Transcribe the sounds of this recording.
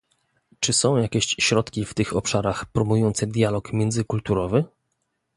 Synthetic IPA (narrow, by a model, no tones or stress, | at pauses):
t͡ʂɘsɔ̃w̃jakʲɛɕɕɾɔt̪kʲift̪ɘxɔpʂaɾaxpɾɔmujɔnt̪sɛd̪ʲjalɔkmʲjɛnd̪zɘkult̪uɾɔvɘ